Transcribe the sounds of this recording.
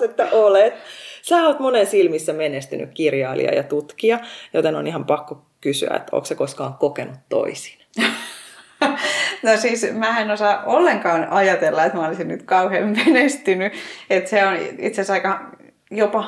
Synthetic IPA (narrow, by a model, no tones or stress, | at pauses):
et̪ːæʔolet̪sæːoːt̪monensilmisːæmenest̪yny̰kkirjɑilḭɑ̰jɑt̪ut̪kiɑjo̰t̪eno̰nihɑmpɑkːo | kysy̰æ̰ḛt̪o̰ːksekoskɑːŋkokenut̪to̰isi̥n | nosiːsmæːenosɑːʔolːeŋkɑːnɑjɑt̪elːɑet̪mæolisinnyt̪kɑuheːmmenest̪ynyet̪seonḭt̪sesɑikɑ | jopɑ